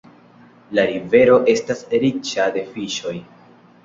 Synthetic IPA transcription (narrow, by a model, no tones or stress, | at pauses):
laɾive̞ɾo̞ʔe̞stasɾit͡ʃade̞fiʃo̞j